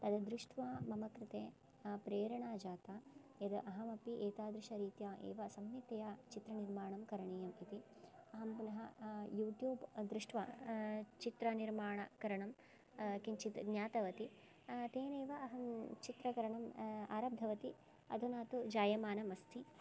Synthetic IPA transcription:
t̪ɐd̪ɐd̪ɾuʂʈʰʋaːmɐmɐkɾɪt̪eː | pɾeːɾɐɳaːd͡ʒaːt̪aːjɐd̪ɐʔɐɦɐmɐpiʔeːt̪aːd̪ɾɪʃɐɾiːt̪jaːʔḛːʋɐsɐmːjit̪ɐjaːt͡ʃit̪ɾɐniɾmaːɳɐmkɐɾɐɳeːjɐmit̪i | ɐɦɐmpunɐɦɐjuːʈjuːbd̪ɾuʂʈʰʋa̰ːt͡ʃit̪ɾɐniɾmaːɳɐ̰kɐɾɐɳɐm | kint͡ʃit̪ɡɲaːt̪ɐʋɐt̪i | t̪eːneːʋɐʔɐɦɐmt͡ʃit̪ɾɐkɐɾɐɳɐma̰ːɾaːb̚d̪ʱɐʋɐt̪i | ɐ̰d̪ʱunaːt̪ud͡ʒaːjɐmaːnɐmɐst̪ʰi

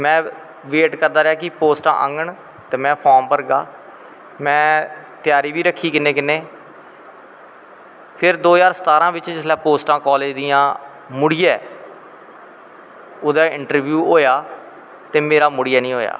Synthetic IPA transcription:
mɛ̃ː | ʋeːʈkəɾd̪aːɾɪjaːkɪpoːsʈã̰ːʔə̰ŋɡəɳ | t̪eːmɛ̃ːpʰɔːmpəɾɡa̰ː | mɛ̃ː | t̪ɪjaːɾiːbiːɾəkʰːiːkɪnːeːkɪnːeː | pʰɪɾd̪oːd͡ʒaːɾsət̪aːɾãːʋɪt͡ʃd͡ʒɪslaːpoːsʈãːkɔːleːd͡ʒd̪iːãː | mʊɽɪjaɛ | ʊd̪aːɪ̃ɳʈəɾʋjuːɦoːjaː | t̪eːmeːɾaːmʊɽɪjaːnĩːɦoːja̰ː

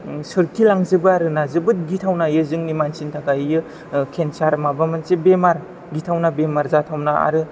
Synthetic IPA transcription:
sɯɾtʰilaŋzɯbɯaɾɯnazɯbɯt̚ɡitʰawnajɯzɯŋnimansintʰaɡajɯ | kʰensaɾmabamɯnsebemaɾ | ɡitʰawnabemaɾzatʰawnaa̰ɾɯ

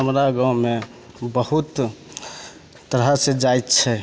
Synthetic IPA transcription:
ɦəmɾaɡãwme | bəhut̪ | t̪ːəɾɦəsed͡ʒajt̪t͡ʃʰɛ

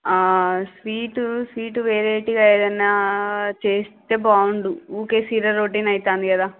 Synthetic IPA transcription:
aːsʋiːʈusʋiːʈuʋeːɾeːʈːiɡɐjɐd̪ɐnːat͡ʃe̞ːst̪e̞ːbaːwuɳɖuuːkesiːɾɐɾːoːʈ̬ːinɐjit̪aːnd̪ikɐd̪aː

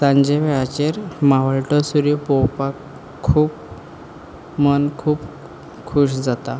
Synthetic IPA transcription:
sãɲd͡ʑeʋeat͡ɕeɾmaʋəɭʈɔsuɾipɔwpakʰː | uːp | mənkʰuːp | kʰuɕd͡zat̪a

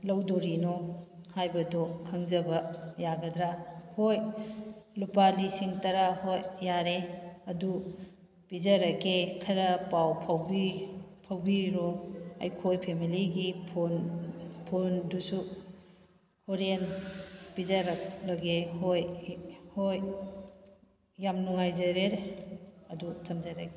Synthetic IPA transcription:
lɐwdoɾinɔhajbɐdɔkʰɐŋzɐbɐjaɡɐdɾahoj | lupalisiŋtɐɾahojːaɾeɐdu | pizɐɾɐkekʰɐɾɐpawpʰawbipʰɐwbiɾɔɐ̰jkʰojpʰemiliɡipʰonpʰondusu | hoɾenpizaɾak̚lɐɡehojhoj | amnuŋajzɐɾeɾ | ɐdutʰɐmzaɾaɡe

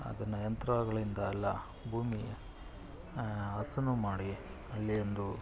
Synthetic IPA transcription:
ɐ̰d̪ɐnːɐjɐnt̪ɾɐaːɡɐɭind̪ɐɐlːɐ | bʱuːmi | ɐsɐnumaːɽi | ɐlːiond̪u

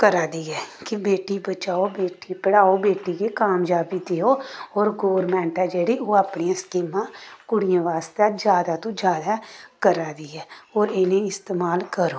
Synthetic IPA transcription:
kəɾaːd̪iːɛːkɪbeːʈiːbət͡ʃaːoːbeːʈiːpəɽaːoːbeːʈiːkeːkaːmd͡ʒaːbiːd̪eoːoːɾɡoːɾmɛ̃ːɳʈɛːd͡ʒeːɽiːoːaːpɳiãːskiːmãːkʊɽijãːʋaːst̪ːaːd͡ʒjaːd̪aːt̪õːd͡ʒjaːd̪aːkəɾaːd̪iːɦɛːɦoːɾɪnẽːɪst̪eːmaːlkəɾoː

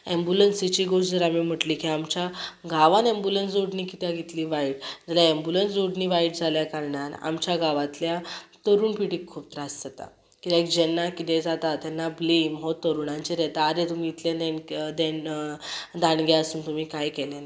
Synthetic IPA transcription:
embulənsit͡ɕiːɡoɕd͡zəɾamim̤əʈliːkiamt͡ɕaɡʱaʋãnẽmbulənsd͡zoɽniːkit̪jaɡit̪liːʋaiʈ̚d͡zaljaembulənsd͡zoɽniːʋaiʈd͡zʱaljakaɾɳaɾa̰mt͡ɕjaɡʱaʋãt̪ljat̪əɾuːnpiʈiːkʰːuːp̚t̪ɾasd͡zət̪a̰ | kit̪ɛ̃kd͡ʑɛnːakit̪ed͡zat̪at̪ɛnːablimɦot̪əɾuːɳaɲt͡ɕiɾɛt̪aːɾet̪umiːt̪lenẽnd̪en | d̪aɳɡaəsuːnt̪umiːkajkɛlena

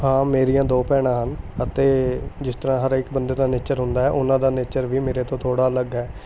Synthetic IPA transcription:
ɦãːmeːɾijãːd̪oːpɛːɽ̃ãːɦənət̪eːd͡ʒɪst̪əɾãːɦəɾɪkbənd̪eːd̪aːneːt͡ʃəɾɦʊ̃nd̪aːɦɛːʔʊnãːd̪aːneːt͡ʃəɾʋiːmeːɾeːt̪õːt̪ʰoːɽaːləɡɛː

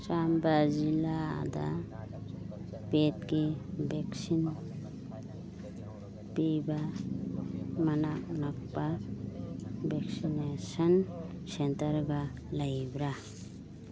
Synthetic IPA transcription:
sambad͡ʒila̰d̪a̰ | pet̚kibeksin | piba | manak̚nak̚pa | beksinesan | sentaɾɡa | lajbɾa

